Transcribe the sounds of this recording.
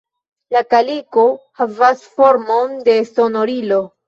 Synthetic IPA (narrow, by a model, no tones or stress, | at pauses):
lakalikohavasfo̞ɾmo̞nde̞sono̞ɾilo̞